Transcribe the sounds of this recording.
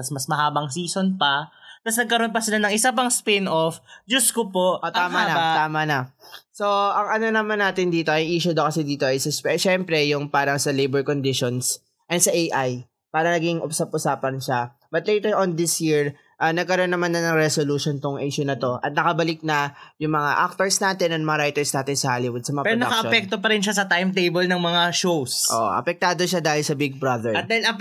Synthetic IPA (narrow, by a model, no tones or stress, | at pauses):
t̪ɐsmɐsmɐɦaːbɐŋsiːsonpɐt̪ɐsnɐɡ̚kɐɾonpɐsɪlanɐŋɪsap̬ɐŋspɪnofd͡ʒʊskopoʔot̪aːmanɐt̪aːmɐnɐso̞ʔɐŋɐno̞nɐmanaːt̪ɪnd̪iːt̪o̞ʔɐjʔiːʃʊd̪ɐowkɐsɛd̪iːt̪o̞ʔɐjsɐspɛʃɛmpɾɛjʊŋpaːɾɐŋsɐlejbɛɹkond̪ɪʃons | ʔɐsɐʔejʔaj | paːɾɐnɐɡiŋʔʊsap̚ʔʊsaːpɐnʃa | bɐt̪̚lejt̪ɛɹʔond̪ɪsjiɹ | ʔɐnɐɡ̚kɐɾo̞nːɐmanːɐnɐŋɾɛsoluːʃont̪ʊŋʔiʃʊnɐt̪o̞ʔɐt̪̚nɐkɐbɐlɪk̚nɐjʊŋmɐŋa̰ʔak̚t̪oɹsnaːt̪ɛnɐnmɐŋaɾajt̪ɛɹsnaːt̪ɪnsɐhaːlɪwʊd̪̚sɐmɐŋapɛɾonɐkɐʔɐpɛk̚t̪opɐɾɪnʃasɐt̪ajmt̪ejbɐlnɐŋmɐŋaʃowsʔo̰ʔʔɐ̰pɛk̚t̪aːd̪o̞ʃad̪aːhɪlsɐbɪɡ̚bɾɐðɛɹɐt̪d̪ahɪlɐp